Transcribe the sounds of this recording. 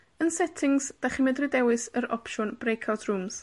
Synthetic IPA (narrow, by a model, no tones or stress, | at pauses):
ənsɛtʰɪŋz̥d̥aχɪmɛdrɪdɛwɨsəɾɔ̰pʃɔnb̥rejkʰawtʰrumz̥